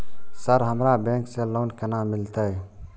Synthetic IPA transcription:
səɾɦəmɾabɛ̃ŋkselonkenamilt̪əj

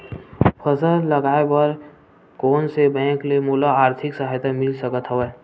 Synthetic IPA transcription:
pʰəsələɡaːebəɾ | koːnsebɛ̃ːklemulaaːɾt̪ʰɪksəɦəjt̪amɪlsəkət̪ɦəʋeː

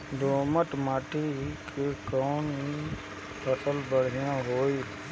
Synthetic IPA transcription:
d̪oːməʈ̪maːʈikʰekɔːnɦi | pəsəlbəɽ̤ɪjãɦoːi

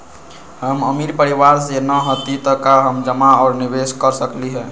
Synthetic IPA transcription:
ɦəməmiɾpəɾiʋaɾsenəɦət̪it̪əkaɦəmd͡ʒəmaɔːɾnibeskəɾsəkliɦɛ

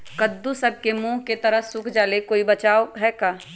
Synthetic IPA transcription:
kɐd̪ːusɐb̚kemũːɦket̪ɐɾəsʊkʰd͡ʒaːlekoːibɐt͡ʃaːoɦɛːkaː

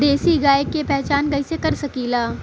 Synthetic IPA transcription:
d̪eːsiɡaːjəkːepɛɦt͡ʃaːnkɐɪsekɐɾsɐkilaː

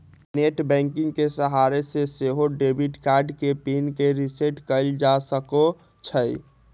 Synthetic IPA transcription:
neʈbɛ̃ŋkĩŋɡkesəɦaɾeseseɦoɖebʱiʈkaɾɖkepinkeɾiseʈkəɪld͡ʒasəko | t͡ʃʰəj

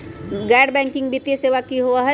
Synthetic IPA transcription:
ɡaːɖbɛ̃ːŋkɪ̃ŋɡbit̪ijeseːʋakiɦoaɦɛ

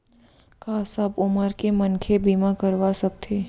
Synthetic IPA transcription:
kaːsɐbʊməɾkemɐnkʰebiːmakəɾʋasɐk̚t̪ʰeː

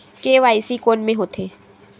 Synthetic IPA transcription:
keʋaːɪsikoːnmẽɦoːt̪ʰeː

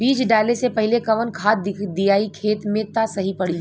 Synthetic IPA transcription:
biːt͡ʃɖaːlesepɐɦɪlekɐʋənkʰaːt̪ɪd̪ijaːikʰeːt̪mẽt̪asɐɦipɐɽi

